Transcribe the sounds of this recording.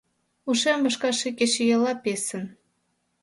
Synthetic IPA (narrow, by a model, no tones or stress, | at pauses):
uʃembəʃkɑʃekeʃejelɑpesə̆n